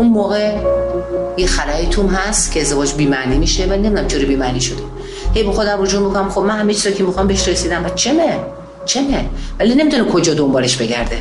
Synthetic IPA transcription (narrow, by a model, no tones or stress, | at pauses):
unmoːɣe | jexælaet̪ʰumɦæst̪cʰeːzd̪e̞vɒːd͡ʒbiːmæniːmiːʃevæine̞mid̪unæmt͡ʃʰoɾibiːmæniːʃod̪e | he̞jbexod̪æmrod͡ʒuːɾmikʰonæmxob̚mænɦæmet͡ʃʰizɒcʰemixɒmbeeʃɾesiːd̪æmbæt͡ʃʰeme | t͡ʃʰe̞mevælinemit̪unekʰo̞d͡ʒɒːd̪o̞mbɒːle̞ʃbe̞ɟæ̰ɾd̪e̞